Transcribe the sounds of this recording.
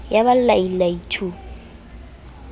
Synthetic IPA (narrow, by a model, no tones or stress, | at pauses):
jaβallailaitʰu